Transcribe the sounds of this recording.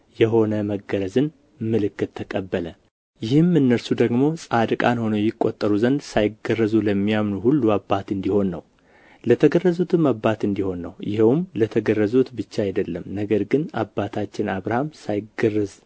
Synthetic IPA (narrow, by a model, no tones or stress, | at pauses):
jɛɦo̞nəməɡəɾəzɨn | mɨlɨkːɨt̪ʰːəkʼəbːələ | jɪhɨmɨnːəɾsud̪əɡmo̞sʼad̪ɨkʼanho̞nəjːɪkʼːo̞t̪ʼːəɾuzənd̪sajɪɡərəzuləmːijamnuhulːuabːat̪ɨnd̪iho̞nːə̰w | lət̪ʰəɡərːəzut̪ʰɨmːabːat̪ɨnd̪iho̞nːə̰wjɪ̰hwmlət̪ʰəɡərːəzut̪bɨt͡ʃːaajd̪əlːəmnəɡəɾɡɨnabːat̪ʰat͡ʃːɪnaβɾahamsajɪɡərːəz